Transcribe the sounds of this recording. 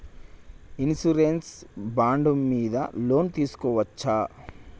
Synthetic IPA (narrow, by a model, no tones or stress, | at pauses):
insuɾensbaːɳɖumːiːd̪ɐ̰lo̞ːnt̪iːsu̥kɔːʋɐt͡ʃːa